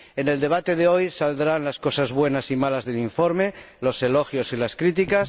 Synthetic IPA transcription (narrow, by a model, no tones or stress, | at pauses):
ene̞ld̪e̞β̞at̪e̞ðeo̞jsald̪ɾanlasko̞sazβwe̞nasimalazðe̞liɱfo̞ɾme̞ | lo̞se̞lo̞xjo̞silaskɾit̪ikas